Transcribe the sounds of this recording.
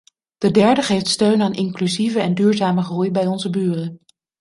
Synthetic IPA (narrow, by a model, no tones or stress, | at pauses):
d̥ədɛɹdəχejftstøɥnaːnʔɪŋklyzivəɛndyːɹzaːməχrujbɛjɔnzəbyːrən